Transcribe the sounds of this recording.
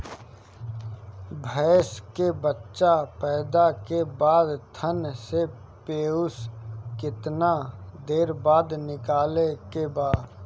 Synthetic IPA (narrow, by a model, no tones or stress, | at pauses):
bʱɛːskebətːʃapɛːd̪akebaːd̪t̪ʰənse | peːʊskɪt̪nad̪eːɾbaːd̪nɪkaːlekebaːd̪